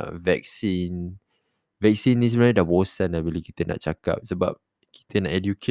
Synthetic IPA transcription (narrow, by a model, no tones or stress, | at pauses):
vɛ̰k̚sin | vɛk̚sinːis̬əbənaidabosãnabilukit̪əna̰ʔt͡ʃaka̰p̚səba̰p̚ | kʰi̥t̪ʰənaʔɛdjukʰe